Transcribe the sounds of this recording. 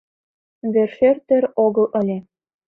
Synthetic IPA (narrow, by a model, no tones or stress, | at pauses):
βerʃert̪ɘ̆ɾoɣɤ̆lˠʔɤ̆lʲĕ